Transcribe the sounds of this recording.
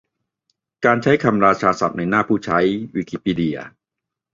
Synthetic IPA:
kaː˧nt͡ɕʰa˦˥jkʰa˧mɾaː˧t͡ɕʰaː˧sa̰˨˩p̚na˧jnaː˥˩pʰuː˥˩t͡ɕʰa˦˥jwiː˧kiː˧˥piː˧˩di˧ɐ̰

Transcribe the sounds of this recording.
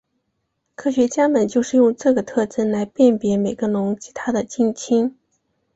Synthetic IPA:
kʰɤ˥˩ɕɥɛ˧˥t͡ɕja˥mə˨nt͡ɕjo˥˧ʊʂɻ̩˥˧jʊ˥˧ŋʈ͡ʂɤ˥˩ɡə˩t̪ʰɤ˥˩ʈ͡ʂə˥nla˧˥ɪpjɛ˥˩npjɛ˧˥me˨˩ɪɡə˦nʊ˧˥ŋt͡ɕi̥˧˥t̪ʰa˥d̪ə˨t͡ɕi˥ŋt͡ɕʰi˥ŋ

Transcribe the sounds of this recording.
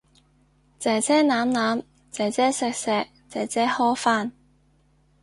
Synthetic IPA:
t͡sɛː˨˩t͡sʰɛː˥naː˨˥mnaː˨˥m | t͡sɛː˨˩t͡sɛː˥sɛ˧k̚sɛː˧k̚t͡sɛː˨˩t͡sɛː˥hɔː˥faː˥˩n

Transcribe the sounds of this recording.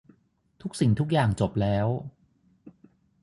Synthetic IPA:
t̪ʰu˦˥k̚si˨˩ŋt̪ʰu˦˥k̚jaː˨˩ŋt͡ɕo˨˩p̚lɛː˦˥w

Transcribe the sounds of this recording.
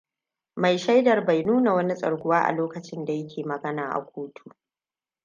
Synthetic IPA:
ma˨jʃa˦jdɐ˨rba˨jnuː˦na˨wɐ˦ni˦sʼɐ̰˨ɾɡʷʊ˦waː˦ʔa̰˨loː˦kɐ˨t͡ʃɪ˦nda˨jɐ˦kʲʰeː˨mɐ˨ɡɐ˦naː˨ʔa̰˨kʷoː˦tʰuː˨

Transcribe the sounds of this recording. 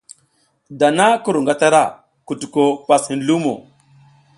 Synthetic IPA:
da˨na˦ku˦ɾu˨ŋɡa˦ta˦ɾa̰˦˨ | ku˨tu˨ko˦pa˨shi˨nlu˦mo̰˨

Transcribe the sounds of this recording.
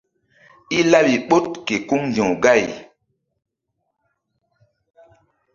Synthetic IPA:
i˦la˦ɓi˨ɓo˦t̚ke˨ku˦ŋnd͡ʒɔ̃˨ɡa˦˨j

